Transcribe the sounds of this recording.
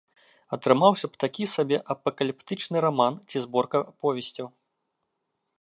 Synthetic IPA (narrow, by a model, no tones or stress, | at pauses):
ɐt̪ɾɨmawsʲɐpt̪akʲisabʲɛʔɐpɐkɐlʲipt̪ɨt͡ʂnɨɾamant͡sʲizbɔrkɐpɔvʲɛsʲt͡sʲɐw